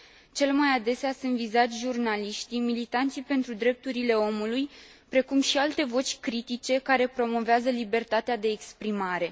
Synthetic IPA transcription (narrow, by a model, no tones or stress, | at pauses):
t͡ʃe̞lmajad̪e̞seasunt̪vizat̪sʲʒurnaliʃt̪imilit̪ant̪sipe̞nt̪ɾud̪ɾe̞p̚t̪uɾile̞o̞mulujpɾe̞kumʃialt̪e̞vo̞t͡ʃʲkɾit̪it͡ʃe̞kaɾe̞pɾo̞mo̞veazəlibe̞rt̪at̪ead̪e̞ːkspɾimaɾe̞